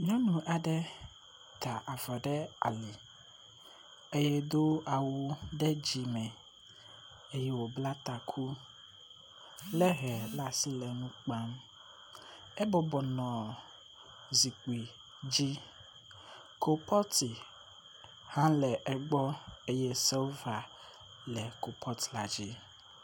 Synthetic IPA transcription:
ɲɔ̃˦nũ˨ʔa˨ɖɛ˦ | t̪ʰa˨ʔa˨va˨ɖɛ˦a̰˨li˨ | e˦jɛ˦d̪o˦a˨wu˨ɖɛ˦d͡ʑi˨mɛ̃˨ | e˦jɛ˦wo˨bla˦t̪a˨kʰu˦ | lɛ˦ɦɛ˨la˨si˦lɛ˨nũ˦k͡pa˦m | ɛ˦bɔ˨bɔ˨nɔ̃˨ | zi˨k͡pi˨ | d͡ʑi˦ | ko˨pʰɔ˦t̪i˨ | hã˦lɛ˨ʔɛ˦ɡ͡bɔ˦e˦jɛ˦sɛ˦va˨ | lɛ˨ko˨pʰɔ˦t̪la˨d͡ʑi˦

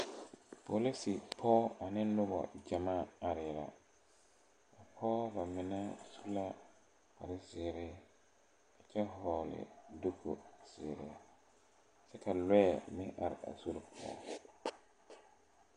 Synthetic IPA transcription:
pʰo˨li˦si˨pʰɔː˦a˨nɪ˦nʊ˦bɔ̰˨d͡ʒa˨ma˦a˨ɾɪ˨la̰˨ | a˨pʰɔː˦ba˨mɪ˨na˦su̥˦la˦ | ka˨ɾɪ˦zɪː˨ɾɪ˦ | a˨t͡ʃɛ˦ɦɔː˨lɪ̰˨do˦kʰo̰˨sɪ̰ː˨ɾɪ˨a˦ | sɛ˦kʰa˨lɛ˦˨mɪ̃˦ʔa̰˨ɾɪ̰˨a̰˨su˦ɾpʰɔ̰ː˦

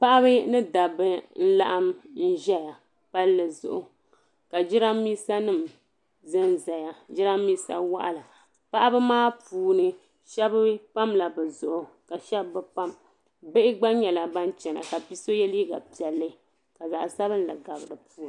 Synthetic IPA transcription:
pa˦ʔa˦βɨ˦nɨ˦da˨bɨ˦n̩˦la̰˦ʔa˦mn̩˦ʒɛ˦ja˨ | pa˦lːɨ˨zʊ̰˨ʔʊ˨ | ka˨d͡ʒɪ˦ɾa˦mːiː˦sa˦nɨ˦˨m | zɨ˦nza˨ja˨d͡ʒɪ˦ɾa˦mːiː˦sa̰˦wa˦ʔa̰˦la˨ | pa˦ʔa˦bɨ˦maː˦puː˨nɨ˨ | ʃɛ˦bɨ˦pa˦mla˨bɛ˨zʊ˨ʔʊ˨ | ka˨ʃɛ˦bːɨ˦pa˦m | be˦ʔɪ˦ɡ͡ba˦ɲɛ˨la˨ba˦nt͡ʃɛ˨na̰˨ka˨bi˦so˦jɛ˦li˦ɡa̰˨pi˨ɛ˨lːɨ˦ | ka˨za˨ʔsa˦βɨ˦n˦˨lɨ̰˨ɡa˨bɨ˨ɾɨ˨pʰuː˦˨n˨

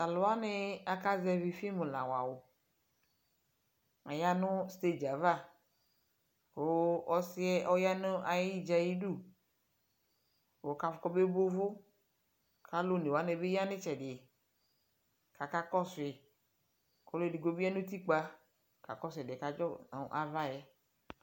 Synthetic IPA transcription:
a˨lʊ˨a˦nɪ˦a˨ka˦zɛ˦˨vi˨fi˦mũ˨lã̰˨wa˨wo˨ | a̰˨ja˦nʊ˦st̪e˦d͡ʒa˨va˦˨ | wo˨˦ɔ˦sɪ˦ɛ˦ʔɔ˦ja˦nʊ˦ʔa˨ji˦d͡ʒa˨ji˦du˦˨ | o˨˦ka˨fʊ˦kɔ˦be˦bo˦vʊ˦ | kʰa˦lo˦˨ne˨wa˨˦nɛ˨be˦ja˦nɪ̃˦t͡ʃɛ˨dɪ˨ | ka˨ka˦kɔ˦sʊ˨ɪ˨ | kɔ˦lo˦˨di˨ɡo˦bi˦a˦nũ˦t̪i˦k͡pa˦ | ka̰˨kɔ˦sɛ˨dɪ˨ka˨d͡ʒɔ̰˦˨ʔa˨va˦jɛ˦

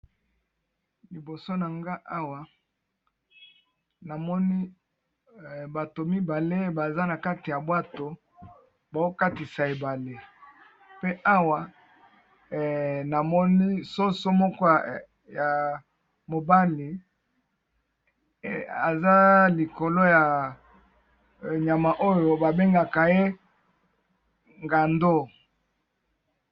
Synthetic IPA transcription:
li˨bo˨so˦na˨ŋɡa˦ʔa˦wa˨ | na˨mɔ˦ni˦˨ | ba˨to˨mi˦ba˨le˦ba˨za˦na˨ka˦ti˨ja˨bwa˦to˨ | ba˨o˦ka˦ti˨sa˨e˨ba˨le˦ | pe˦ʔa˦wa˨ | na˨mɔ˦ni˦so˦so˦mɔ˦kɔ˦ | ja˨ | mo˨ba˦li˨ | a̰˨za˦li˨ko˨lo˦ja˨ | ɲa˨ma˨ʔo˦jo˨ba˨be˦ŋɡa˨ka˨je˦ | ŋɡa˨ndo˦

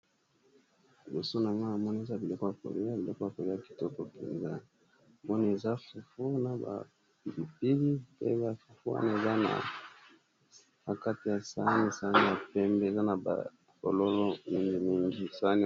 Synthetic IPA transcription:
i˨bo˨so˦na˨ŋɡo˦a˨mɔ˦ni˦e˨za˦bi˨lo˦ko˦ja˨ko̰˨li˦a˦bi˨lo˦ko˦ja˨ko˨li˦a˦˨ki̥˨to˦ko˨kɛ̰˨nza˦˨ | mɔ˦ni˦e˨za˦fu˨fu˦na˨ba̰˨ | pi˨li˨pi˦di˦pḛ˦ba˨fu˨fu˦wa̰˦na˦e˨za˦na̰˨ | a˨ka˦ti˨ja˨sa˦ni˦sa˦ni˦a˨pɛ˦mbe˦˨za˦na˨ba̰˨ | ko˨lo˦lo˦mi˦ŋɡi˦mi˦ŋɡi˦sa˦ni˦

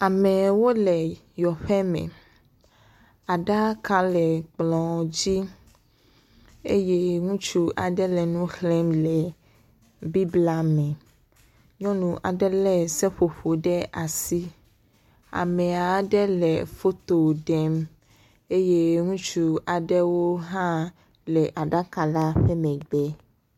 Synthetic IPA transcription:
a˨mɛ̃˨wo˦lɛ˨ | jɔ˨ɸɛ˦mɛ̰̃˨ | a˨ɖa˦ka˦lɛ˨k͡plɔ̃˨d͡ʑi˦ | ḛ˦je˦ŋũ˦t͡ʃu˦ʔa˨ɖɛ˦lɛ˨nũ˦xlɛ˦mlɛ˨ | bi˦bla˦mɛ̃˨ | ɲɔ̃˦nũ˨ʔa˨ɖɛ˦lɛ˦sɛ˦ɸo˨ɸo˨ɖɛ˦ʔa˨si˦ | a̰˨mɛ̃˨a˨ɖɛ˦lɛ˨fo˦t̪o˨ɖɛ˦m | e˦je˦ŋũ˦t͡ʃu˦a˨ɖɛ˦wo˦ɦã˦ | lɛ˨ʔa˨ɖa˦ka˨la˦ɸɛ˦mɛ̃˨ɡ͡bɛ˦

